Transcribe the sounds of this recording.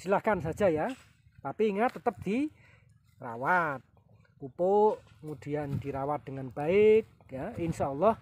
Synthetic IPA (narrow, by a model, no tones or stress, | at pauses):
silahkansad̥ʒ̥a̤ja | t̪apiːŋat̪ət̪əp̚d̪̥i | ra̰wat̪̚ | pupoʔ | mud̪̥i̤and̪̥i̤ɾawat̪̚d̪̥əŋanb̥aɪk̚jainʃaʔulːɑh